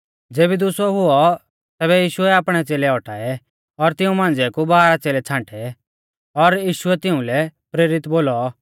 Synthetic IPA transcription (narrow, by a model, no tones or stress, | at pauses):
d͡zeːbid̪ʊsɔɦʊɔ | t̪ɛːβɛjiːʃʊɛaːpɽ̃ɛt͡seːlɛɔʈʰaːɛ | ɔɾt̪ɪũmãːnd͡zɛkubaːɾat͡seːlɛt͡sʰãːʈʰɛ | ɔɾjiːʃuɛt̪ɪũlɛpɾeːɾɪt̪boːlɔ